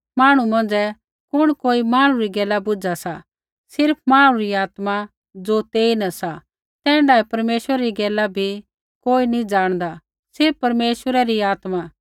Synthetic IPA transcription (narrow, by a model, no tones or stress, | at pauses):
maːɽ̃umɐ̃nd͡zɛ | kʊɽ̃koːimaːɽ̃ũɾiɡɛːlabʊd͡ʒasa | sɪɾpʰmaːɽ̃ũɾiaːt̪ma | d͡zoːt̪eːinɐsa | t̪ɛ̃ːɳɖaːɛpɐɾmeːʃwəɾɛɾiɡɛːlabʱi | koːinĩd͡ʒaːɽ̃d̪a | sɪɾpːɐɾmeːʃəɾɛɾiaːt̪ma